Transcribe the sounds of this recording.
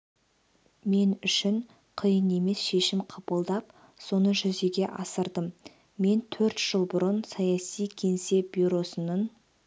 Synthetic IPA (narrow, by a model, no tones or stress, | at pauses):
me̞nʏʃɪɴ | qʰəjəne̞me̞sʃe̞ʃɪmqʰɑpəlˠd̪ɑp̚ | so̞nəʒʏze̞ɡʲe̞ʔɑsəɾd̪əmː | e̞nt̪ʰɵɾt̪ʒ̥əlˠbʊɾənsɑjɑsijkʲʰe̞nse̞bʲiɾo̞sənən